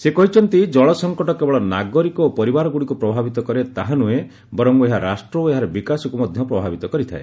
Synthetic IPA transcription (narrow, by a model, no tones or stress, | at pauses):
sekɔɦit͡ʃʰɔnt̪id͡ʒɔɭɔsɔŋkɔʈɔkebɔɭɔnaɡɔɾikɔopɔɾibaɾɔɡuɽikupɾɔbʱabit̪ɔkɔɾet̪aɦanue | bɔɾɔŋeɦaɾasʈɾɔoeɦaɾebikasɔkumɔd̪ʱjɔpɾɔbʱabit̪ɔkɔɾit̪ʰa̰e